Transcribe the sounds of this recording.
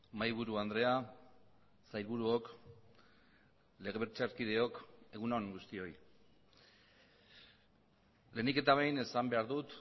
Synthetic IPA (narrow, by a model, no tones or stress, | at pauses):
majβ̞uɾuand̪ɾe̞a | sajlβuɾuo̞k | le̞ɣeβeɾt͡ʃaɾkið̞e̞o̞ke̞ɣ̞unoŋɡust̪io̞j | le̞nike̞t̪aβajne̞sambe̞aɾðut̪